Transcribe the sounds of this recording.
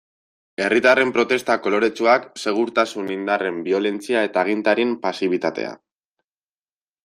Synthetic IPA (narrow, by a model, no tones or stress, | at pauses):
e̞rit̪are̞mpɾo̞t̪e̞st̪ako̞lo̞ɾe̞t͡ʃuakse̞ɣ̞uɾt̪asunind̪are̞mbio̞le̞nt͡siae̞t̪aːɣ̞int̪aɾimpasiβ̞it̪at̪e̞̰a̰